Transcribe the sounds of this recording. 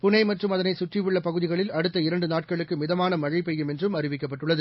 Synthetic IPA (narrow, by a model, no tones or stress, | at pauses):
pʊnɐɪmɐʈrɯmɐðɐnɐɪsʊʈrɪʋɪɭːɐpɐɣɯðɪɣɐɭɪlɐɽɯt̪ːɐɪɾɐɳɖɯnaːʈ̚kɐɭɯkːɯmɪðɐmaːnɐmɐɻɐɪpɛjːɯmɛndrɯmɐɾɪʋɪkːɐpːɐʈːɯɭːɐðɯ